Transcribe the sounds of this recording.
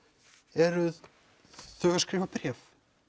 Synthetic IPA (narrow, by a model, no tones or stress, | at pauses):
ɛɾʏ | θœːɣaskɾɪːvapɾɛːf